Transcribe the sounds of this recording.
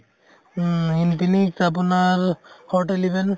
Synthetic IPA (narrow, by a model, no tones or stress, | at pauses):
ɦinpinikap̬unaɹhɔɹʈelibɛn